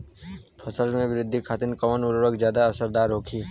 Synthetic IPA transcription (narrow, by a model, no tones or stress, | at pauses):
pʰəsəlmẽʋɪɾɪd̪ʱːikʰaːt̪ɪnkəmənʊɾoɾəkzjaːd̪aɐsəɾd̪aːɾɦoːkʰiː